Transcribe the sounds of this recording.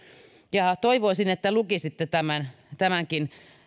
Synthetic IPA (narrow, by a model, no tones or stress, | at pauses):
jɑt̪oiʋoisinet̪ːælukisit̪ːet̪æmæn | t̪æmæŋkin